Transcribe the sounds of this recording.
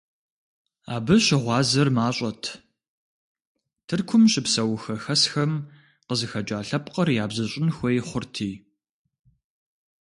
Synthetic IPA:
a̰ːbɨɕɪʁʷɑːzɐrmaːɕʼɐtʰ | tʰɨrkʷʰʊmɕʼɪpsɐwxɐxɐsxɐm | qəzɨxɐd͡ʒʼaːɬɐpqɐrjaːbzɐɕʼɪnxʷɔjχʷʊrtʰiː

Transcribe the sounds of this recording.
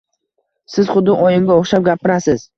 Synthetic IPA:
sɪz̥χʊd̪ːɪʔɒjɪŋɡʲaoχʃap̚ɡʲapʰɪɾasɪz̥

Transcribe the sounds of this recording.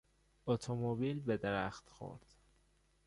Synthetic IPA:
ot̪ʰomobiːlbed̪eɾæ̰xt̪xo̰ɾd̪̥

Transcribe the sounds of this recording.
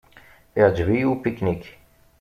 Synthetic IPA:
jɑd͡ʒviupiknik

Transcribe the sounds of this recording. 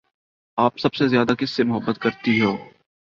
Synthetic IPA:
aːpsɐbsezjaːd̪akɪsːemʊɦəbːət̪kɐɾt̪iɦoː

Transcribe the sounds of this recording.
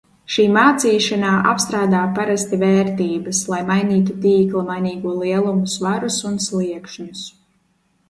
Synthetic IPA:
ʃiːmaːt̪siːʃanaːʔa̰pst̪ɾaːd̪aːpaɾast̪ivɛːɾt̪iːbɐslˠajmajniːt̪̬ut̪iːklˠamajniːɡuɔlˠiɛlˠumusvaɾusunslˠiɛkʃɲus

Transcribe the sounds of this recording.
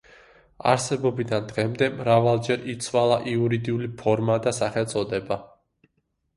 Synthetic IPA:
a̰ɾsɛbɔbid̪and̪ʁɛmd̪ɛmɾavalˠd͡ʒɛɾit̪sʰwalˠaʔiuɾid̪iulipʰɔɾmad̪asaχɛlt̪sʼɔd̪ɛba

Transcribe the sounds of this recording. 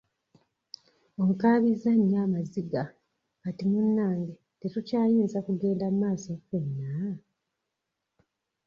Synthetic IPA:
oŋkaːβizaɲːaːmaziɡa | katimunːaːŋɡe | te̞tucaːjiːnzakuɡe̞ːndammaːso̞kwenːa

